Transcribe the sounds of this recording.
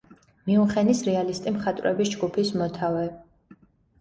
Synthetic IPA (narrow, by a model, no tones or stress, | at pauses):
miuχɛnisɾɛalist̪ʼimχat̪ʼvɾɛ̰bisd͡ʒɡupʰismɔt̪ʰavɛ